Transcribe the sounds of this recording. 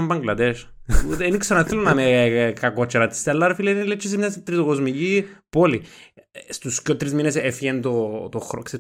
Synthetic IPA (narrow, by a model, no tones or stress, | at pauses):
mbɐŋɡlɐd̪eʃ | ut̪eniksɐnaθelonɐmekakot͡ʃːeɾɐt̪i̥st̪elːɐɾfilinlet͡ʃːis̬miɐst̪ɾit̪okozmicipoli | st̪uscot̪ɾizminesefʝent̪ot̪oxɾokse